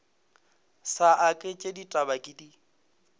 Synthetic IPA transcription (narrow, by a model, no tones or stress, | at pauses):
saʔakʼet͡ʃʼeditʼabakʼɪdi